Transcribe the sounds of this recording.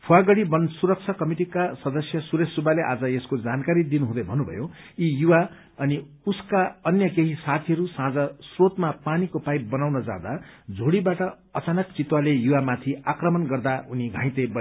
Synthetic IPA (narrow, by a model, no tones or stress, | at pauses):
pʰuaɡʌɽibʌnsuɾʌk̚t͡sʰʌkʌmiʈikasʌd̪ʌsjʌsuɾesubaleʔa̰d͡zʌeskod͡zankaɾid̪inuɦũd̪ʌjbʱʌnubʱʌ̰jo | ijuwa | ʌni | uskaʌnjʌkeɦisat̪ʰiʌɾusãd͡zʌsrot̪mapanikopajbʌnawnʌd͡za̰d̪ad͡zʱoɽibaʈʌ | ʌt͡sanʌkt͡sit̪walejuwamat̪ʰiakrʌmʌnɡʌrd̪auniɡʱã̰j̃t̪ebʌ